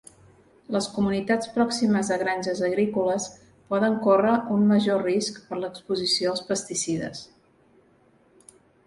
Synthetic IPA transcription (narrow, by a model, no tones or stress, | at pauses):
ləskumunit̪at͡spɾɔksiməzðəɣ̞ɾanʲʒəzəɣɾikuləs | pɔðəŋkorəʔunməʒoriskpəɾləkspuzisioəlˠspəst̪isiðə̰s